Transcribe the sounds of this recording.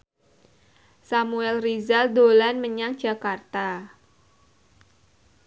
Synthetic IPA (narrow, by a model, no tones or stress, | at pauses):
samuɛlrizaldolanməɲaŋd͡ʒa̤kart̪a